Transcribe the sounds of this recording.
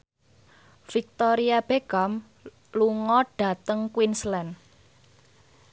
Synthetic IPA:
fik̚t̪ɔɾiab̥eɡ̥am | luŋɔɖ̥a̤t̪əŋkwinslɛn

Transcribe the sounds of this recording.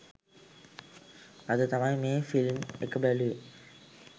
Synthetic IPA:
ɐðɨt̪ɐmaːjmeːnfilmḛkːɐbeli

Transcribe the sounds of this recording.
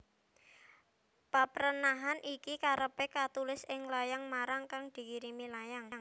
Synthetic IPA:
papəɾənaɦanʔikikaɾəpɛkat̪ulɪsɪŋlajaŋmaɾaŋkaŋd̪̥i̤kiɾimilajaŋŋ

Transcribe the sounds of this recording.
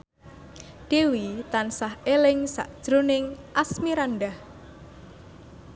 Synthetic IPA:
ɖ̥ewit̪ansahelɪŋsa̰ʔd̥ʒ̥ɾonɪŋʔasmiɾanɖah

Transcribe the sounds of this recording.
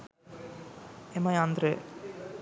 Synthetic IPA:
emɐjaːnd̪ɾe

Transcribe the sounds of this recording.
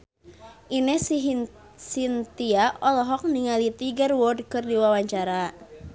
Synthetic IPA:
ʔinɛs | sint̪iaʔɔlɔɦɔk̚niŋalit̪iɡərwɔd̚kərdiwawaɲt͡ʃaɾa

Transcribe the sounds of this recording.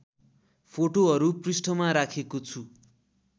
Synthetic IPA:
pʰoʈoʌɾuprisʈʌmaɾakʰekot͡sʰu

